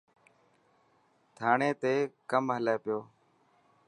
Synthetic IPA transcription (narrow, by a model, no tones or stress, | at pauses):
t̪ʰaːɳeːt̪eːkəmɦəleːpɪjoː